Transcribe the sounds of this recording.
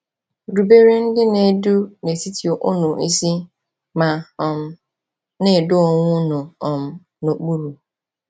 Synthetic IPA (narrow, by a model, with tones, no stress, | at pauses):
ɾu˨be˦ɾe˦n̩˦dɪ˦ne˨˦du˦ne˨ti˦ti˨o˨ʔʊ˦nʊ˨ʔi˦si˦ | ma˨m˦ | ne˨dʊ˦ɔ˨ŋʷʊ˦nʊ˨ɔ˨m̩˨ | no˨k͡pu˦ɾu˨